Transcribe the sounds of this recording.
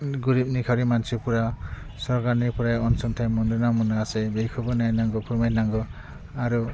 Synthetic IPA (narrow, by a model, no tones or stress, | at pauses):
ɡuɾip̚nikʰaɾimansipuɾa | sɔɾkaɾnipuɾajɔnsunt̪ʰajmɔnd̪unamunaasejbejkʰubunajnaŋɡɔkʰumajnaŋɡɔ | aɾu